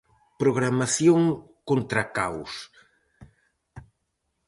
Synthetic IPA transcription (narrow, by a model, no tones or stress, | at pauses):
pɾoɣɾamaθjoŋkont̪ɾakaws